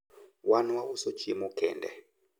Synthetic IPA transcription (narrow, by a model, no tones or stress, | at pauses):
wanuwawusɔt͡ʃʰimukʰɛ̰ːndɛ̰